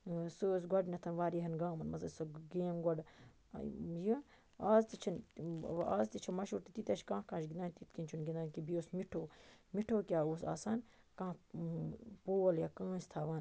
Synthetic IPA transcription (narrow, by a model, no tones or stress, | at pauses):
sɨːs̬ɡɐɖnɐt̪ʰɐnʋaːɾiɦɐnɡaːmɐnmɐzɐsoɡeːmɡɐɖ | ji | aːzt̪it͡ʃʰɐn | aːzt̪it͡ʃʰɐmɐʃuːɾt̪it̪it̪ɐʃkãːkãːʃɡind̪aːnʲt̪it̪kint͡ʃʰunɡind̪aːnkibijoːsmiʈʰoːmiʈʰoːkʲaːoːsa̰ːsaːn | kãː | poːɐljaːkãːst̪ʰaːʋaːn